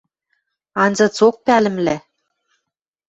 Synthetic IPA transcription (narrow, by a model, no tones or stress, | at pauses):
ɑnzɤ̆t͡sok̚pælɘ̆mlæ